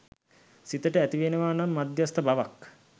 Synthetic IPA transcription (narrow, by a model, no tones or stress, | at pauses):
sit̪əʈəæt̪iʋenəʋaːnamːad̪jast̪əbaʋak